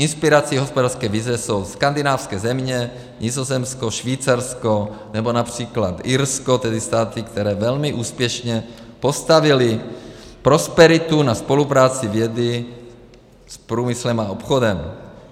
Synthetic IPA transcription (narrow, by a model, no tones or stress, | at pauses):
ʔinspiɾat͡siːɦospodaːɾrskɛːvizvɛsowskand̪inaːfskɛːzɛmɲɛ | ɲizozɛmskoʃviːt͡saɾskonɛbonapr̝̥iːklat̪iɾskot̪ɛd̪ist̪aːt̪ikt̪ɛɾɛːvɛlmiʔuːspjɛʃɲɛpost̪avilɪ | pɾospɛɾit̪unaspo̞lupɾaːt͡sivjɛd̪i | spɾuːmislɛmaopxodɛm